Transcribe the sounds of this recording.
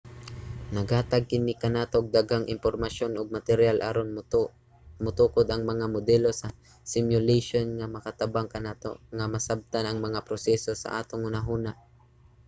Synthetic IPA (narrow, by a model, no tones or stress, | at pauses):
nɐɡhaːt̪aɡ̚kɪnikɐnaːt̪oɡ̚d̪aɡaŋʔɪ̰mpoɾmaʃonʊɡ̚mat̪ɛɾjalʔaɾon | mʊt̪uːkod̪ɐŋmɐŋamʊd̪ɛlo̞sɐ | sɪmjʊlejʃonŋamɐkat̪abaŋkɐnaːt̪o̰ŋamɐsab̚t̪anɐŋmɐŋapɾosɛsosɐ̰ʔa̰ːt̪oŋʔʊnaɦuːnaʔ